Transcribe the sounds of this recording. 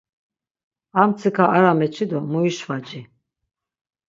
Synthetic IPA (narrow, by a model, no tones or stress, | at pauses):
amt͡sʰikʰaaɾamɛt͡ʃʰid̪ɔmuiʃvat͡ʃʼi